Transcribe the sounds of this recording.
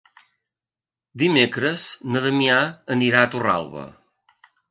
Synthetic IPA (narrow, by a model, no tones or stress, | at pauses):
d̪imekɾəznəðəmiaəniɾaət̪ura̰lˠβə̰